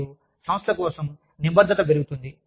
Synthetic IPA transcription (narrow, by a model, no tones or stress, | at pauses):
u | sɐmɐst̪ʰɐkɔːsɐm | nibɐd̪ʱːɐt̪ɐpeɾuɡut̪und̪i